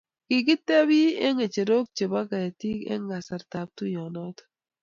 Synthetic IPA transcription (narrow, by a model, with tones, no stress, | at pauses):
kɪ˨ɡɪ˦t̪e˦bi˦e˦ŋe˨t͡ʃe˨ɾo˦k̚t͡ʃe˨ba˦ɡa˨ja˨ti˦kɛ̰˦ŋa˨sa˨ɾta˨p̚t̪u˦jɔ˨nɔ˦t̪